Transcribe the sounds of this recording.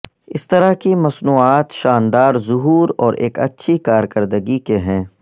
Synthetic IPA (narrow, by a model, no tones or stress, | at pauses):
ɪst̪ɐɾakimɐsnuːaːt̪ʃaːnd̪aːɾzʊɦuːɾɔːɾʔeːkɐ̰tːʃʰikaːɾkəɾd̪əɡikeɦɛ̃ː